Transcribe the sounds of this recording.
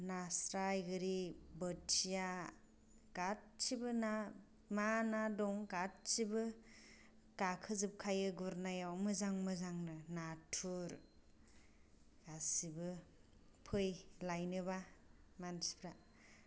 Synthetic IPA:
nasɾajɡɯɾibətsija | kat̚sibɯna | manadɔŋkat̚sibɯ | kakʰɯzɯp̚kʰajɯɡuɾnajawmɯzaŋmɯzaŋnɯnatʰuɾ | ɡasibɯ | pʰɯjlajnɯba | mansi̥pʰɾa

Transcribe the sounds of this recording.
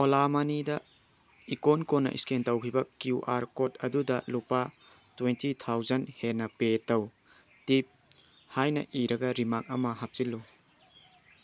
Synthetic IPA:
olamanidɐ | ikonkonːɐ̰ʔḭskentɐwkʰibɐkjuʔaɾkotɐdudɐlupa | twentʰitʰawzɐnhenːɐpetɐw | tip̚ | hajnɐ̰ʔiɾɐɡɐɾimakɐmɐɦap̚silːu

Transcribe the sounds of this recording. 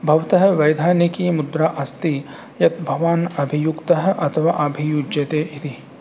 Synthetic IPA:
bʱɐʋt̪ɐɦʋɐjd̪ʱaːnikimʊd̪ɾaːʔɐst̪i | jɐt̪bʱɐʋaːnɐbʱijukt̪ɐɦɐt̪ʰɐʋaːʔɐbʱijud͡ʒɐt̪eːʔit̪i

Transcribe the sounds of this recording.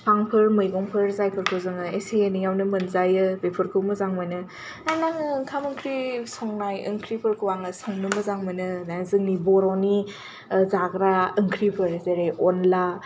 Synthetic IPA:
pʰaŋpʰɯɾmɯjɡɔŋpʰɯɾzajpʰɯɾkʰɯwzɯŋɯesejenijawnɯmɐnzajɯbepʰɯɾkʰɯwmɯzaŋmanɯ | ajnaŋɯŋkʰaməŋkʰɾisɔŋnajəŋkʰɾipʰɯɾkʰɯwaŋɯsɔŋnɯmɯzaŋmɯnɯnazɯŋnibɔɾɔwni | zaɡɾaəŋkʰɾipʰɯɾzeɾeonla

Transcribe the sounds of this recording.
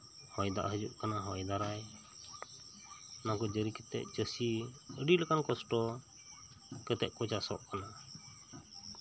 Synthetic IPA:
hɔjd̪a̰ʔɦəd͡ʒuʔkanaɦɔjd̪aɾaj | naɡɔd͡ʒəɾikit̪ɛ̰ʔt͡ʃəsiəɖilakankɔsʈɔ | kət̪ɛʔ̚kɔt͡ʃasɔ̰ʔkana

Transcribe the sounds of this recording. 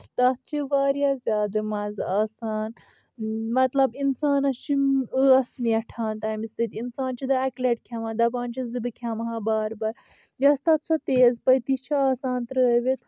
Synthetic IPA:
t̪ɐt͡ʃʰiʋaːɾjaːzʲjaːd̪ɐmɐzaːsaːn | mɐt̪lɐbinsaːnɐt͡ʃʰiəɐsmiɐʈʰaːnt̪aːjmisɨt̪insaːnt͡ʃʰid̪ɐɐkleʈkʰjamad̪ɐbaːnt͡ʃʰizɨbɨkʲʰjaːmɐɦabaːɾbɐɾ | jɐst̪ɐt̪̚t͡sʰɐt̪eːzpɐt̪it͡ʃʰiaːsaːnt̪ɾəːʋet̪

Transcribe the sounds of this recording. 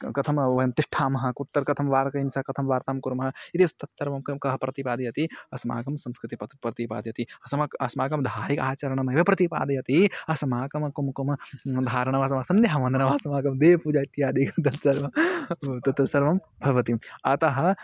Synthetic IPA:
kɐt̪ʰɐmʋɐjɐmt̪iʂʈʰaːmɐɦɐkut̪ːɐɾkɐt̪ʰɐmʋaːɾkɐinsɐkɐt̪ʰɐmʋaːɾt̪aːmkuɾmɐɦɐ̆it̪ist̪ɐt̪sɐɾʋɐmkkɐɦɐpɾɐt̪ipaːd̪jɐt̪iɐsɐma̰ːkɐmsɐmskɾɪt̪ipɐt̪pɾɐt̪ipa̰ːd̪jɐt̪iɐsɐmɐɐsmaːkɐmd̪ʱaːɾikaːt͡ʃɐɾɐɳɐmeʋɐpɾɐt̪ipa̰ːd̪ɐjɐt̪iɐsɐmaːkɐmkumkumd̪ʱaːɾɐɳ̃ɐʋɐs̬ɐmaːksɐmd̪iɦɐʋɐnd̪ɐnɐʋɐsɐmaːkɐmd̪eːpuːd͡ʒaːit̪ijaːd̪iɡɐt̪ɐt̪sɐɾʋɐt̪ɐt̪ːɐsɐɾʋɐm | bʱɐʋɐt̪imɐt̪ɐɦɐ̆

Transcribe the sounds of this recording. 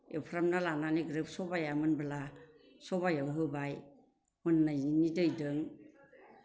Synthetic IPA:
jawpʰɾamnalananiɡɾɯp̚sɔbajamɯnbala | sɔβajawɦɯbaj | mɯnːajinidɯjdɯŋ

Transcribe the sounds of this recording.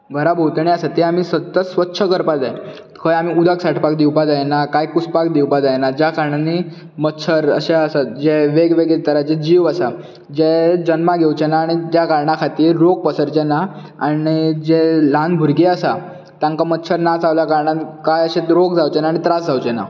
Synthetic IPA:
ɡʱəɾabʱowt̪ɳeasat̪eamiːsət̪ːəsʋətːɕʰəkəɾpad͡zaj | kʰəjamiːud̪aksaʈʰpak̚d̪iwpad͡zajnakajkuspak̚d̪iwpad͡zajnad͡ʑjakaɾɳani | mət̪ːɕʰəɾə̰ɕeasad͡ʑeʋeɡʋeɡet̪əɾad͡ʑed͡ʑiʋasa | d͡ʑed͡ʑənmaɡʱewt͡ɕɛnaːɽ̃id͡ʑ̪jakaɾɳakʰat̪iːɾɾok̚pəsəɾt͡ɕɛna | a̰ɽid͡zelãnbʱuɾɡeasa | t̪jãŋkamət̪ːɕʰəɾnat͡saʋljakaɾɳãnkajəɕeɾoɡd͡zawt͡ɕenaːɽ̃it̪ɾasd͡zawt͡ɕɛna̰

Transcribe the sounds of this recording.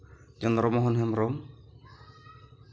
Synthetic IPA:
d͡ʒɔnɾɔmɔɦɔnɦɛmɾɔm

